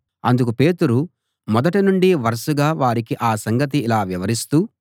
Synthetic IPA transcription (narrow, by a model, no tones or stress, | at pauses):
ɐnd̪uk̬upe̞ːt̪uɾu | mɔd̪ɐʈinuɳɖiʋɐɾɐʃuɡaːʋaːɾikiʔaːsɐŋɡɐt̪̬iːlaːʋiʋɐɾist̪uː